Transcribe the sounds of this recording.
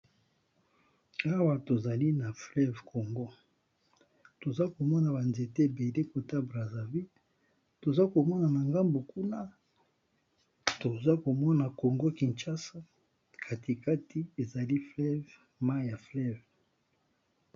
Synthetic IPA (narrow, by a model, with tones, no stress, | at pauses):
a˦wa˦to˨za˨li˦na˨flɛ˦vkʰo˨ŋɡo˦ | to˨za˦ko˨mɔ˦na˨ba˨nze˨te˦˨be˨le˦ko˨ta˦bʁa˨za˨vi˦ | to˨za˦ko˨mɔ˦na˨na˨ŋɡa˦mbo˨ku˦na˦ | to˨za˦ko˨mɔ˦na˨ko˨ŋɡo˦ki˨nt͡ʃa˦sa˦ | kʰa˨ti˨ka˦tʰi˦e˨za˨li˦flɛ˦v | ma˦ja˨flɛ˦v